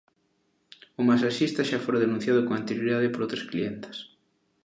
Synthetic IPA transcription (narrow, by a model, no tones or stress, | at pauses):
ʊmasaʃist̪ɐʃafoɾaðenũn̟θjaðʊkoŋant̪eɾjoɾiðaðɪpoɾowt̪ɾasklient̪ɪ̥s